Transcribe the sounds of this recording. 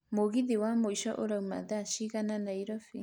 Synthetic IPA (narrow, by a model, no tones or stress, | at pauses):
moɡid̪ewamoiʃaʔo̰ɾawma̰d̪aʃiɡananajɾofi